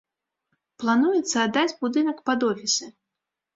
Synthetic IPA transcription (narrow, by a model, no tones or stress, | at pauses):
plˠanujɛt̪sɐːd̪ːad͡zʲbud̪ɨnɐkpad̪ɔfʲisʲɛ